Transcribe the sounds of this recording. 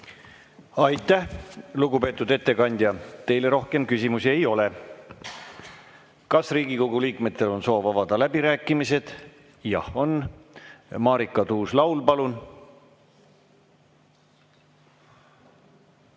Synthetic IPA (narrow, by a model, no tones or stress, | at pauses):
ɑjt̪ːˑæhluɡupe̞ːt̪ːˑud̪e̞t̪ːe̞kɑnʲd̪̥ʲjɑt̪e̞jle̞ɾo̞hke̞mkysimusie̞jo̞le̞ | kɑsriːɡikoɡ̥uliːkme̞t̪ːˑe̞lo̞nso̞ːvɑvɑd̪̥ɑlæb̥iɾæːkːˑimise̞d̪̥ | jɑ̰ho̞n | mɑːɾikˑːɑt̪uːslɑwlpɑlun